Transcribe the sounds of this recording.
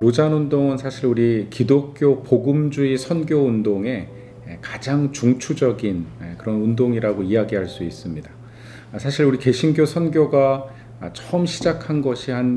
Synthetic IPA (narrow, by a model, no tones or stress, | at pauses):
ɾod͡ʑanundoŋɯnsʰaɕʰiɾuɾikidok̚k͈jopoɡɯmd͡ʑuisʰʌnɡjoundoŋe̞ | kad͡ʑaŋt͡ɕuŋt͡ɕʰud͡ʑʌɡinkɯɾʌnundoŋiɾaɡoijaɡiɦaɭs͈uis͈ɯmɲida | sʰaɕʰiɾuɾike̞ɕʰinɡjosʰʌnɡjoɡa | t͡ɕʰʌɯmɕʰid͡ʑakʰanɡʌɕʰiɦan